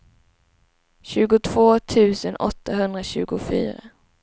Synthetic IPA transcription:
ɕʉ̟ːɡʊt̪ʰv̥oːt̪ʰʉ̟ːsənɔt̪ːaɦɵnd̪ɾaɕʉ̟̰ːɡʊfy̰ːɾa̰

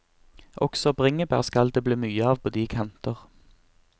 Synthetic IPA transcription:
ʔɔksɔbʁɪŋəbæ̰ʁskɑld̪eːbliːmyːəɑːʋpʰoːd̪iːkʰɑnt̪əʁ

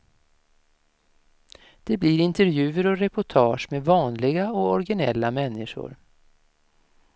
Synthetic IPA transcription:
d̪̥ɛbliɾɪnt̪əɾvjʉ̟ːəɾɔɾɛpʊʈʰɑːʂmevɑːnlɪɡaɔɔɾɡɪnɛlːamɛnːɪʂʊ̰ɾ

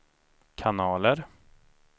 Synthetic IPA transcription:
kʰanɑːləɾ

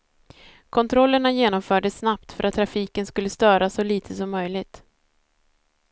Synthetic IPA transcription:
kʰɔnt̪ʰɾɔlːəɳajeːnɔmfœːɖəsːnapt̪fœɾat̪ʰːɾafiːkənskɵlːəst̪œːɾasɔliːt̪ʰəsɔmːœjlɪɡt̪

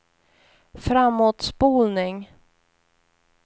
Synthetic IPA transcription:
fɾamːoːt̪spuːlnɪŋ

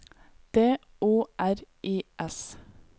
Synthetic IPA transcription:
d̪̥eː | uːʔæɾʔiːʔɛs

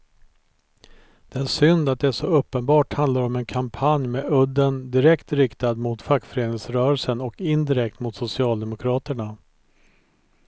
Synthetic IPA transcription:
d̪̥ɛæʂʏnd̪at̪̚d̪ɛæʂɔɵpːənbɑːʈhand̪laɾɔmɛnkʰampʰanjmeːɵd̪ːənd̪ɪɾɛkt̪ɾɪkt̪ad̪mʊt̪fakːfœɾeːnɪŋsɾœːɾəlsənɔkɪnd̪ɪɾɛk̚t̪mʊt̪sʊsɪɑːld̪ɛmʊkʰɾɑːt̪əɳa

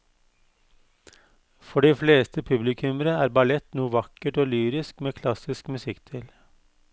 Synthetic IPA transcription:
fɔɖiːfleːst̪ʰəpʰʉblɪkʰʉməɾəæːɾbɑlɛt̪nuːʋɑkəʈoːlyːɾɪskmeːkʰlɑsɪskmʉsɪkt̪ʰɪl

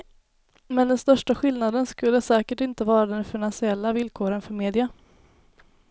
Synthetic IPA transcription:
mɛnd̪ɛnst̪œʂʈaɧɪlnad̪ənskɵlːəsɛːkəʈɪnt̪əvɑːɾad̪ɛnfɪnansɪɛlːavɪlkʰoːɾənfœɾmeːd̪ɪa

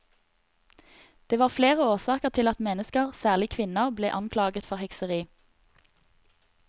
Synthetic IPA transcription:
d̪̥eːʋɑːʁfleːʁəoːsɑːkəʁt̪ʰɪlɑt̪mɛnəskəʁsæːʁlɪkʰʋɪnəʁblḛːʔɑŋkʰlɑːɡət̪fɔʁhɛksəʁiː

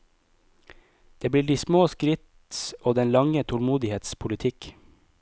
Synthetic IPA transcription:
d̪̥eːb̪iːɖiːsmoːskɾɪt̪ | oːd̪ɛnlɑŋət̪ʰɔlmuːd̪ɪheːt̪spʰʊlɪt̪ʰɪk

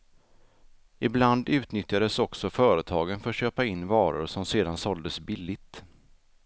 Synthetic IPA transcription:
ʔɪbland̪ʉ̟ːt̪nʏt̪jad̪əsɔksɔfœːɾət̪ʰɑːɡənfœɾɕøːpaɪnːvɑːɾʊ̰ɾʂɔmseːd̪ansɔld̪əsbɪlːɪt̪

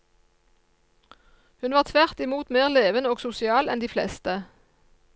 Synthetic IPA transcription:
hʉnʋɑːʁt̪ʰʋæʁt̪ɪmuːt̪meːʁleːʋənoːɡsʊsɪɑːlɛnd̪iːflɛ̰st̪ə

